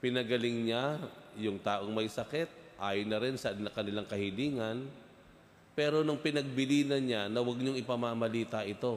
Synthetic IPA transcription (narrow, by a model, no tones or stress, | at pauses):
pɪnɐɡɐlɪŋɲajʊŋt̪aːʔo̞ŋmɐjsɐkɛt̪̚ʔaːjonɐɾɪnsɐɐkɐnɪlaŋkɐhɪliːŋɐn | pɛːɾo̞nʊŋpɪnɐɡ̚bɪliːnɐnɲanɐwɐɡ̚ɲoŋɪpɐmamɐliːt̪ɐʔɪt̪o̞